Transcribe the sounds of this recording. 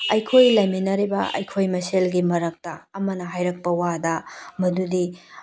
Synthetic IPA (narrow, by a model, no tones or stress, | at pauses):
ɐjkʰojlɐjminɐɾibɐɐ̰jkʰojmɐselɡimɐɾɐk̚tɐːmɐnɐɦajɾɐk̚pɐwadɐmɐdudi